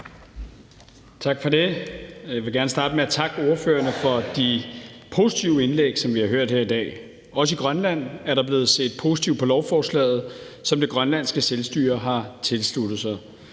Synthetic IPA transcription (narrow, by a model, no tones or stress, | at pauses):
t͡sʰɑ̈ɡ̥fɒ̽d̥e̝jaʋe̝ɡ̥æɐnəsd̥ɑ̈ːd̥əmeæt͡sʰɑ̈ɡ̥əo̝ɐføːɐnəfɒ̽d̥ipʰo̝sit͡sʰiʊəe̝nleɡ̥sɒ̽mʋihɑ̈ɦøɐ̰d̥heɐ̰id̥ɛ̰ː | ɒ̽səiɡ̥ʁɶnlæn̰æɐɾɑ̈b̥le̝ːð̞̩ˠse̝̰ːd̥̚pʰo̝si̥t͡sʰiʊ̰̥pʰɒ̽lɒʊfɒːslɛ̰ːð̞̩ˠ | sɒ̽md̥e̝ɡ̥ʁɶnlæn̰sɡ̥əselsd̥y̰ːɐɦɑ̈t͡sʰe̝lslud̥ð̩ˠsɑɪ